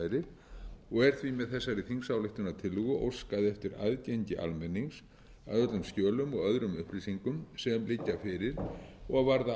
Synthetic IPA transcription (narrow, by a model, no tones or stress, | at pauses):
jɾɪɾ | ɔɣɛɾ̥t̪ʰvimɛðθɛsːaɾiθiŋsawlɪht̪ʏnat̪ʰɪlɣʏʔo̰wskaðɛft̪ɪɾa̰ðceɲcɪʔa̰lmɛnːiŋs | aðœt̪lʏmscœːlʏmɔɣœðɾʏmʏhplisiŋkʏmsɛmlɪcːafɪɾɪɾ̥ɔɣvaɾða